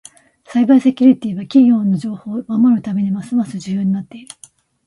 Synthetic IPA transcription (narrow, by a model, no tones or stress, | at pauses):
saibaisekʲɨɾʲit̪ʲiːβakʲiɡʲo̞ːnːo̞d͡ʑo̞ːho̞ːmamoɾɯ̟t̪ame̞ɲ̟imasɨmasɨʑɨjoːɲ̟inat̪ːe̞iɾɯ̟